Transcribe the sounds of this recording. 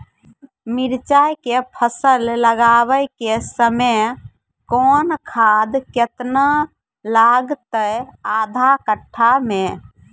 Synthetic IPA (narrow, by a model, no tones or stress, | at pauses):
miɾt͡ʃajkepʰəsəlːəɡaβəjkesəmə | kɔnkʰad̪ket̪na | laɡt̪əjad̪ʱakəʈʰːamẽ